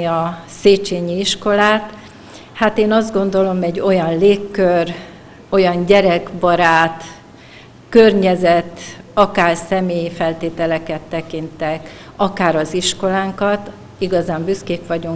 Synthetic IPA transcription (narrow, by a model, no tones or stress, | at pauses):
iɒ | seːt͡ʃeːɲiiʃko̞laːt̪ | hat̪eːnɒzd̪ɡo̞nd̪o̞lo̞mɛɟːo̞jɒnleːkːør | o̞jɒɲɟɛɾɛɡbɒɾaːt̪ | kørɲɛzɛt̪ːɒkaːrsɛmeːjifɛlt̪eːt̪ɛlɛkɛt̪ːɛkint̪ɛk | ɒkaːɾɒziʃko̞laːŋkɒt̪ | iɡɒzaːmbyskeːkʋɒɟuŋ